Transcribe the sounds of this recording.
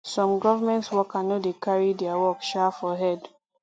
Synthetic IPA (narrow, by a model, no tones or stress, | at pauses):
sɔ̃mɡɔvamɛ̃ntswɔkanɔdekaɹidɛawɔkʃafɔɦɛd